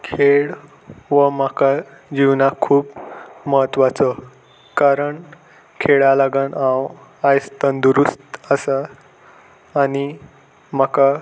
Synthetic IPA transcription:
kʰeɭ | ʋəmaka | d͡ʑiwnakʰuːpməɦət̪ʋat͡sə | kaɾəɳ | kʰeɭalaɡənãwajst̪ənd̪uɾust̪əsa | ni | maka

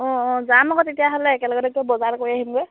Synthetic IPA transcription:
ɔ̃ɔ̃zamɔɡɔtetijaɦolɛːkɛlɔɡɔdɔk̚tɔbɔzaɹkoɹiaɦimkoj

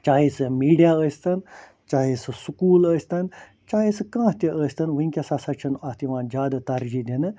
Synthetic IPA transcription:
t͡ʃaːɦisɨmiːɖijaəːsʲt̪ɐn | t͡ʃaːɦisɨsukuːləːsʲt̪ɐn | t͡ʃaːɦisɨkãːt̪ʲiʔəːsʲt̪ɐnʋɐiŋʲkʲasasɐt͡ʃʰɐnat̪iʋãːnd͡ʒaːd̪at̪ɐɾd͡ʒid̪ʲenɨ

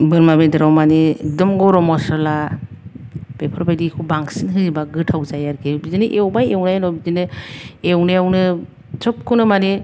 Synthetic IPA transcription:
bɯɾmabedɯɾawmanik̚dɔmɡɔɾɔmɔsɔla | b̥epʰɔɾbajdikʰubaŋsinɦɯibaɡɯtʰawzajaɾɡʰibizinɯʔewbajewnajnɔbizinɯewneawnɯ | t͡ʃɔp̚kʰunɯmani

